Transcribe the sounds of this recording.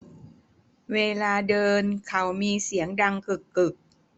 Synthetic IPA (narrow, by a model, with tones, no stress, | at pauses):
weː˧laː˧dɤː˧nkʰa˨˦˥wmiː˧si˩˦əŋda˧ŋkɯ˨˩kːɯ˨˩k̚